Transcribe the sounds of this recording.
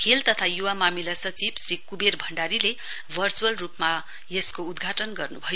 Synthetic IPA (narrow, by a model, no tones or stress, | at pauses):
kʰelt̪ʌt̪ʰajuwamamilasʌt͡sibsrikuberbʱʌɳɖaɾile | bʱʌrt͡suʌlrupma | jeskoːd̪ɡʱaʈʌnɡʌrnubʱʌjo